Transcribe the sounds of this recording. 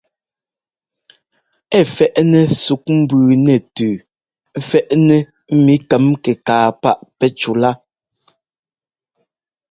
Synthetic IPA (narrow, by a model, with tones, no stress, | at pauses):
ɛ˦˨fɛ˦ʔnɛ˨su˨˦k̚m̩˦bʉː˨nɛ˨tʉː˨˦ | fɛ˦˨ʔnɛ˦ | m̩˦mi˦kɛ˨˦mkɛ˨kaː˨pa˦˨ʔpɛ˦t͡ʃu˨la˦